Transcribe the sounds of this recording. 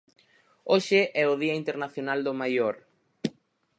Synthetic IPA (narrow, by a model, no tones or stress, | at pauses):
oʃɪʔɛʊðiɐint̪eɾnaθjonald̪ʊmajoɾ